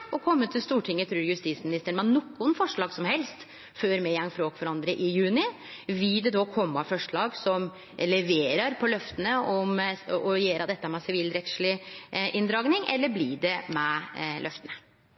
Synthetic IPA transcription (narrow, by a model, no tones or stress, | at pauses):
ɔkʰɔmːət̪ʰɪlst̪uːʈʰɪŋːət̪ʰɾʉːɾjʉst̪iːsmɪnɪst̪əɳmɑnɔkːʊnfɔʂɭɑːɡsɔmhɛlst̪ | føːɾmɛjɛŋfɾoːkfɔɾɑnd̪ɾəʔɪjʉːnɪ | ʋɪld̪ɛd̪ɔkʰɔmːəfɔʂɭɑːɡsɔm | lɛʋeːɾɑɾpʰɔlœft̪ənəɔmɔjeːɾɑd̪ɛt̪ːəmɛsɪʋiːlɾɛt̪ʂɭɪʔɪnd̪ɾɑːɡnɪŋʔɛ̰lːəɾbliɖɛmɛlœft̪ənə